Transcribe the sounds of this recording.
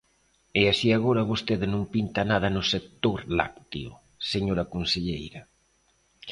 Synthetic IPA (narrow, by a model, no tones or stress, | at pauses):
easiaɣoɾɐβost̪eðɪnõmpint̪anaðɐnʊsek̚t̪oɾla̰kt̪ḭʊ̰ | seɲoɾɐkonseʎejɾɐ